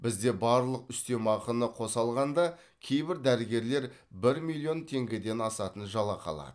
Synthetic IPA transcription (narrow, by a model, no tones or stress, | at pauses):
bɪzd̪e̞bɑɾlˠəqʏst̪e̞mɑqənəqʰo̞sɑlˠʁɑnd̪ɑ | kʲʰe̞jbɪɾd̪æɾɪɡʲe̞ɾle̞ɾ | bɪɾmilʲˠio̞nt̪ʰe̞ŋɡʲɪd̪e̞nɑsɑt̪ənʒɑlˠɑqʰɑ̰lˠɑ̰d̪̥əə